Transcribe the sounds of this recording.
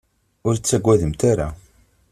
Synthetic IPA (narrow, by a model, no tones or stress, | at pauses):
ʊɾt͡sːæɡʷːæðəmt̪aɾa